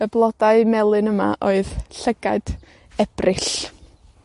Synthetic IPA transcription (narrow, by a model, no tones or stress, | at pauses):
əblˠɔdaɨmɛlˠɨnəma̰ʔoɨðɬəɡaɨd̥ | ɛb̥rɪɬ